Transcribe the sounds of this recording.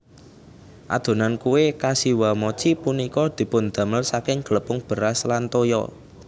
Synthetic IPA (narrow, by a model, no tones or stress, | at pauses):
ʔa̰d̪̥o̤nankuwekasiwamɔt͡ʃipunikɔd̪̥i̤pʊnd̪̥ä̤məlsakɪŋɡ̥ələpʊŋb̥ə̤ɾaslant̪ojɔ̰